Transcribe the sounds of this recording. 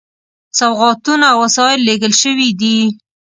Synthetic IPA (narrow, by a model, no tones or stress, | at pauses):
sawɣɑt̪unaːwːasɑɪlːeɡəlʃəwid̪i